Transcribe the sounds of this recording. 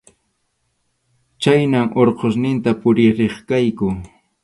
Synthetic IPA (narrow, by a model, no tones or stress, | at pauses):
t͡ʃajnaŋʔoɾqʰosnɪnt̪apʊɾɪɾeχkajkʊ